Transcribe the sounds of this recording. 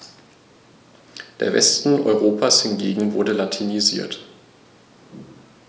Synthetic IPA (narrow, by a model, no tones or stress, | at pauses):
d̥ḛːɐvɛ̰stn̩ʔɔ̰ʏʁ̞oːpʰashɪnɡeːɡŋ̩vʊ̰ɐdəlatʰiniziːɐt